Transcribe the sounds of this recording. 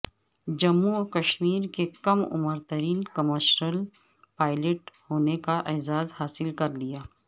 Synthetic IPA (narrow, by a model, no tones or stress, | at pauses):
d͡ʒɐmːuɔkɐʃmiːɾkekɐmʊ̰məɾt̪əɾiːnkɐməʃɾəl | paːɪleʈhoːnekaʔeːzaːzhaːsɪlkɐɾlijaː